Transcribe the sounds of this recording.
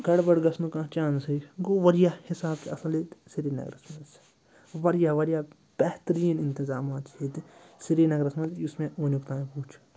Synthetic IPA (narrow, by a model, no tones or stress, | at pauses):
ɡɐɽbɐɽɡɐsnũkãːt͡ʃãːnsiɡoːʋɐɾjaːhɪsaːb̚keɐsɐlit̪siɾiːnɐ̰ɡɾɐ̰smɐs | ʋɐɾjaːʋɐɾjaː | b̥ɛht̪ɾiːnɪ̃nt̪izaːmaːt̪hit̪siɾiːnɐɡɾɐsmɐ̃t̪jusmẽʔuːnukt̪ãːĩpuːt͡ʃʰ